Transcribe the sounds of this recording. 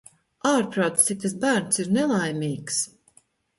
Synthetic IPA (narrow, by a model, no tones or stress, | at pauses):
aːɾpɾawt̪t̪sit̪asbæːɾnsiɾnɛlˠajmiːks